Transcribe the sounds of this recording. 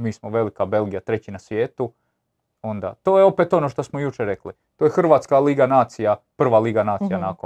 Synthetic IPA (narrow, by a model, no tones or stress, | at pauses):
miːsmoʋe̞likabe̞lˠɡijat̪ɾe̞t͡ɕinasʋje̞ːt̪u | o̞nd̪a̰t̪oːjeo̞pet̪o̞no̞ʃt̪o̞smojut͡ʃeɾe̞kli | t̪ojexr̩ʋaːt̪skaliːɡanaːt̪sijapr̩ʋaːliːɡanaːt̪sijanako